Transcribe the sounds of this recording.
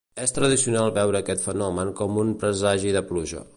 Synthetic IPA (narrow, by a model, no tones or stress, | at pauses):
est̪ɾəð̞isiunalˠβɛwɾəːkɛt̪fənɔməŋkɔmunmpɾəzaʒiðəpluʒə̰